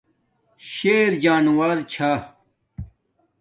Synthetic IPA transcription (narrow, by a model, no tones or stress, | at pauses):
ɕeːɾd͡ʑaːnwaːɾt͡ɕʰa